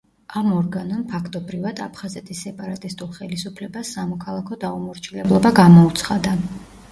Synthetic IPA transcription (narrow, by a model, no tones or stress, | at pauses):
amɔɾɡanɔnpʰakʰt̪ʼɔbɾivad̪̥apʰχazɛt̪ʼʰisːɛpʼaɾat̪ʼist̪ʼulˠχɛlisupʰlɛbasːamɔkʰalˠakʰɔd̪aumɔɾt͡ʃʰilɛblˠɔbaɡamɔut̪sʰχad̪a